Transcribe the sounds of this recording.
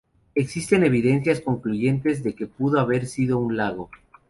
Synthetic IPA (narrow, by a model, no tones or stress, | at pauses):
e̞ksist̪e̞ne̞β̞iðe̞nsjasko̞ŋkluʝe̞nt̪e̞zðe̞ke̞puðo̞aβe̞ɾsiðo̞unlaɣo̞